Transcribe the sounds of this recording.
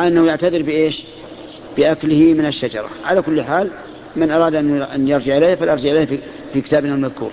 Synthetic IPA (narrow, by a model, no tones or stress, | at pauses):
ʔanːahjaʕt̪aðɪɾbɪʔeːʃ | b̥ɪʔaklɪhimɪnɪʃːad͡ʒɑ̰ɾˤɑ̰ʕalakʊlːħaːl | mɪnʔɑɾˤɑːd̪ʔanːʔanːjɑɾˤd͡ʒɪʕɪlejhfalʔɑɾˤd͡ʒɪʕʔɪleh | fikɪt̪aːbnalmaðkṵːɾ